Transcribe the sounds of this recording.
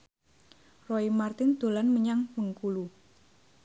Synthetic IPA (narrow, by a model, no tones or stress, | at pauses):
roimart̪ɪnd̪̥o̤lanməɲaŋməŋkulu